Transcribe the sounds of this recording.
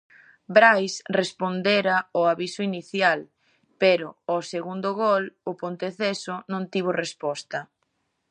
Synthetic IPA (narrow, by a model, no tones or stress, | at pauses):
bɾajsrespond̪eɾaoaβisʊiniθjal | peɾʊɔseɣund̪ʊɣolʊpont̪eθesʊnõnt̪iβorespɔst̪ɐ